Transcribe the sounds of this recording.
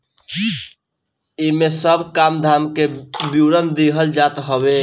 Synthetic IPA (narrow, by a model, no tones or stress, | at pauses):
imesəbʱkamd̪ʱamkebjuɾənd̪iɦəld͡ʒat̪ɦəbe